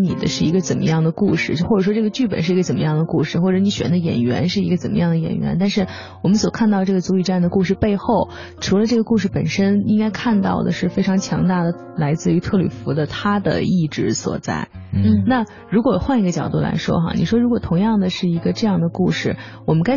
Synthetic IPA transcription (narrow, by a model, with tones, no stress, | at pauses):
ni˨˩d̪ə̰˦ʂɻ̩˥˩i˧˥ɡə˧t͡sə˨˩nmə̰˦jɑ˥˩ŋd̪ə˩ku˥˧ʂɻ̩˥˧t͡ɕxwɔ˥˩ʈ͡ʂɤ˨˩ʂwɔ˥ʈ͡ʂɤ˥˩ɡə˩t͡ɕy˥˩pə̰˨˩nʂɻ̩˥˩i˧˥ə˧t͡sə˨˩mə˦jɑ˥˩ŋd̪ə˩ku˥˧ʂɻ̩˥˧xwɔ˥˩ʈ͡ʂɤ˧˥ni˧˥ɕɥɛ̰˧˥nd̪ə˧jɛ̰˨˩nɥɛ̰˧˥nʂɻ̩˥˩i˧˥ɡə˧t͡sə˨˩nmə̰˦jɑ˥˩ŋd̪ə˩jɛ̰˨˩nɥɛ̰˧˥nt̪̬a˥˧nʂɻ̩˥˩ | wɔ˨˩mə˦nswɔ˨˩kʰa˥˧nt̪ɑ˥˧ʈ͡ʂɤ˥˩ɡə˩t͡su˧˥i˨˩ʈ͡ʂa˥˩nd̪ə˩ku˥˧ʂɻ̩˥˧pe˥˧ɪxo˥˩ʊ | ʈ͡ʂʰu˧˥lə˧ʈ͡ʂɤ˥˩ɡə˩ku˥˧ʂɻ̩˥˩pə˨˩nʂə˥ni˥ŋka˥ɪkʰa˥˧nt̪ɑ̰˥˩ʊd̪ə̰˩ʂɻ̩˥˩fe˥ɪʈ͡ʂʰɑ˧˥ŋt͡ɕʰjɑ˧˥ŋt̪a˥˩d̪ə˩ | la˧˥ɪt͡sɹ̩˥˩y˧˥t̪ʰɤ˥˩ly̰˨˩fu˧˥d̪ə˧t̪ʰa˥d̪ə̰˨i˥˧ʈ͡ʂɻ̩˥˩swɔ̰˨˩t͡sa̰˥˩ɪna˥˩ | ɻu˧˥kwɔ˨˩xwa˥˩ni˧˥ɡə˧t͡ɕjɑ˨˩ʊt̪u˥˩la̰˧˥ɪʂwɔ̰˥xɑ̰˧˩ni˨˩ʂwɔ˥ɻu˧˥kwɔ˨˩t̪ʰʊ˧˥ŋjɑ˥˩ŋd̪ə˩ʂɻ̩˥˩i˧˥ɡə˧ʈ͡ʂɤ˥˧jɑ˥˩ŋd̪ə˩ku˥˧ʂɻ̩˥˩ | wɔ˨˩mə˦nka˥ɪ